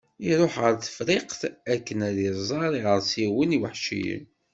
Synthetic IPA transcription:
iɾˤoħʁəɾθə̥fɾiqθækːənæðiɾˤzˤɑɾˤiʁəɾsiwəniwəħʃḭjə̰n

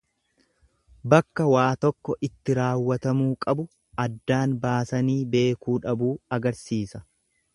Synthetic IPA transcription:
bɐkːɐwaːt̪ɔkːɔʔɪt̪ːɪɾaːwːɐt̪ɐmuːkʼɐbʊ | ɐd̪ːaːnbaːsɐniːbe̞ːkuːᶑɐbuːɐɡɐɾsiːsɐ

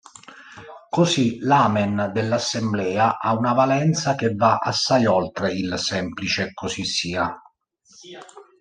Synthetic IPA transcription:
kosilaːmɛnd̪elːasːemblɛːaʔaunavalɛnt̪sak̟evːaʔasːajɔlt̪ɾeilsɛmplit͡ʃeɛkːosisːiːa

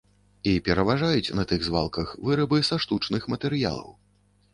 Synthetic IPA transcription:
ipʲɛɾɐvaʐajut͡sʲnɐt̪ɨɣzva̰lˠkɐxvɨɾɐbɨsaʂt̪ut͡ʂnɨxmɐt̪ɛɾɨja̰lˠɐ̰w

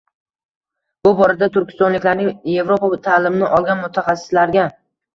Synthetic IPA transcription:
b̥ʊbɒɾad̪at̪ʰʊɾkʲʰɪ̥st̪ɒnlɪkʲlaɾnɪŋje̞vɾopat̪ʰaːlɪmnɪʔɒlˠɡʲanmʊt̪ʰaχasːɪ̥slaɾɡʲa

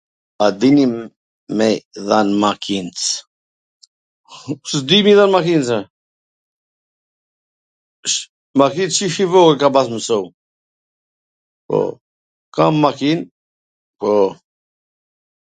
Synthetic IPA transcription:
ad̪ini | mɛðanmakʰint͡s | sd̪imiðanmakint͡sa | ʃ | makint͡sʃiʃivɔɡɛkabas̬məsɔw | pɔ̰ | kamːakin | pɔ

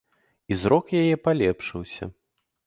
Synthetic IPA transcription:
izɾɔkjajɛpalʲɛpʂɨwsʲɐ̰

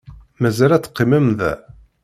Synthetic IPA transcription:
mæzæɾæt͡sːqːimæmðæ̰

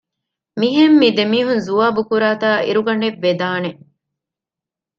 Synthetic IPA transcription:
miɦemːid̪emiːɦunzuʋaːbukuɾaːt̪aːʔḭɾuɡɐɳeʋːed̪aːne

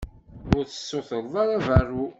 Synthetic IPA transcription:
ʊɾθə̥sːʊθəɾˤðˤɑɾˤæværːu

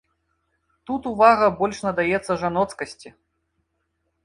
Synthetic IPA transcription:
t̪ut̪uvaɣɐbɔlʲʂnɐd̪ajɛt̪sːɐʐanɔt̪skɐsʲt͡sʲi

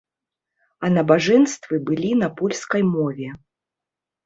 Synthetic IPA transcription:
ɐnɐbaʐɛnst̪vɨbɨlʲinɐpulʲskɐjmɔvʲɛ

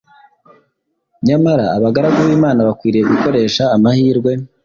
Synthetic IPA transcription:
ɲamaɾaːβaɡaɾaɡoβiːmaːnaβakwiːɾijeɡuko̞ɾe̞ːʃaːmahiːɾɡwe̞

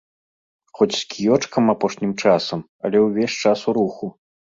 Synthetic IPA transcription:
xɔt͡sʲskʲijɔt͡ʂkɐmapɔʂnʲimt͡ʂasɐm | ɐlʲɛwvʲɛʂt͡ʂasuɾuxu

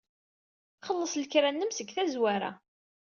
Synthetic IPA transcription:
χəlːəsˤlkɾænːəmsəɡθæzwaɾa̰

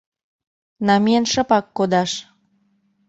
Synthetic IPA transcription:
nɑmiənʃəpɑkːod̪ɑʃ

